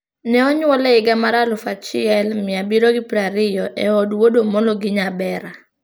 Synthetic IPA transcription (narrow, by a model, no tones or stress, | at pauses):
nɛɔɲwɔlɛɪɡamaɾalʊfat͡ʃɪɛlmɪabiɾoɡɪpɾaɾɪjɔʔɛɔdwodomɔnloɡɪɲabɛɾa